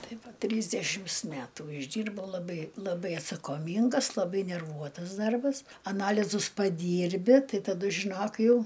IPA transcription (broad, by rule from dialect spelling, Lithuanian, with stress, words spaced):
ˈtɐɪ ˈʋɐ ˈtʲrʲiːzʲdʲɛʃʲɪms ˈmʲætuː ɪʒʲˈdʲiːrbɐʊ lˠɐˈbɐɪ lˠɐˈbɐɪ ɐtsɐkoːˈmʲiːŋɡɐs lˠɐˈbɐɪ nʲɛrˈʋuɔtɐs ˈdɐrbɐs ɐˈnɑːlʲɪzʊs pɐˈdʲiːrʲbʲɪ ˈtɐɪ tɐˈdʊ ʒʲɪˈnoːk ˈjɛʊ